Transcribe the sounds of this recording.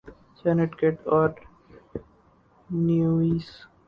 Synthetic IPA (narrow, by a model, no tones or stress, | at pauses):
sɛneʈkeʈɔːɾ | nuiːs